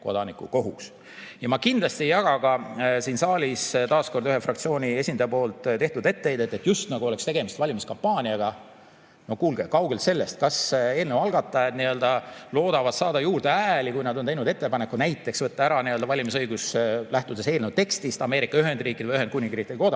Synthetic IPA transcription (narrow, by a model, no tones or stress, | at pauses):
ko̞̰d̪̥ɑnikːuko̞ɦuks | jɑmɑkind̪lɑst̪iejɑɡ̥ɑɡ̥ɑsiːnsɑːlʲist̪ɑːsko̞rd̪yhe̞frɑkt̪sio̞ːnʲie̞sʲind̪ɑjɑpo̞ːlt̪t̪e̞ht̪ud̪̥e̞t̪ːejd̪e̞t̪ːˑe̞t̪just̪nɑɡuole̞kst̪e̞ɡ̥e̞mist̪vɑlʲimiskɑmpːɑːnʲiɑɡ̥ɑ | no̞hkuːlɡ̥ekɑwɡe̞lt̪se̞lːe̞st̪̚kɑse̞ːlnewɑlɡɑt̪ˑːɑet̪niø̞ld̪ɑlo̞ːd̪̥ɑvɑd̪̥sɑːd̪ɑjuːrd̪eæːlikujnɑd̪ont̪e̞jnud̪e̞t̪ːe̞pɑne̞kːˑunæjt̪ːˑe̞ksvɤt̪ːɑæɾɑniøld̪̥ɑvɑlʲimisɤjɡ̥uslæht̪ud̪e̞se̞ːlnewt̪e̞kst̪ist̪ɑme̞ːɾikːˑɑyɦe̞nd̪riːkˑid̥̪vəjyɦe̞n̚kunʲiŋɡriːkːi̥ko̞d̪̥ɑ